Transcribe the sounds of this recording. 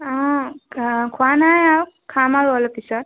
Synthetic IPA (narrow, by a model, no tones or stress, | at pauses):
a | kʰwanajawkʰamaɾɔlɔpisa